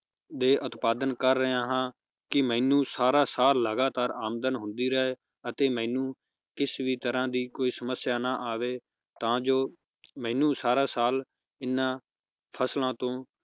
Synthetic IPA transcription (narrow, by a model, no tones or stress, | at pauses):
d̪eːʔʊt̪paːd̪ənkəɾːəãːɦãː | kɪmɛ̃ːnũːsaːɾãːsaːlːəɡaːt̪aːɾaːmd̪ənɦʊ̃nd̪iːɾəeː | ət̪eːmɛ̃ːnũː | kɪsʋiːt̪əɾãːd̪iːkoːiːsəməsjaːnaːʔaːʋeː | t̪ãːd͡ʒoː | mɛ̃ːnũːsaːɾãːsaːl | ɪnːãː | pʰəslãːt̪õː